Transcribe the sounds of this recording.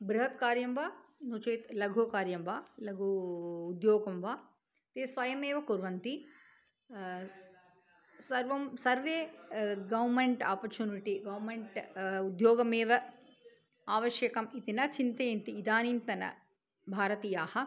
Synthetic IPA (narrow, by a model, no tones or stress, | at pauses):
bɾuɦɐt̪kaːɾjɐmʋaːnut͡ʃeːt̪lɐɡʱoːkaːɾjɐmʋaːlɐɡʱuːd̪joːɡɐmʋaː | t̪eːsʋɐjɐmeːʋɐkuɾʋɐnt̪i | sɐɾʋɐmsɐɾʋeːɡɐʋmeɳʈaːpɐɾt͡ʃuːniʈiɡɐʋmeɳʈud̪joːɡɐmeːʋɐ | aːʋɐʃjɐkɐmit̪inɐt͡ʃint̪eːjɐnt̪iːd̪aːniːnt̪ɐnɐ̰ | bʱaːɾɐt̪iːjaːhɐ̆